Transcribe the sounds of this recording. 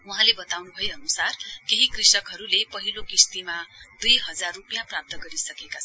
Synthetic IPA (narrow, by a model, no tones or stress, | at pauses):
uɦãlebʌt̪awnubʱʌjʌnusarkeɦikrisʌkɦʌɾulepʌɦilokist̪imad̪ujɦʌd͡zarrupijãprap̚t̪ʌɡʌɾisʌkekat͡sʰ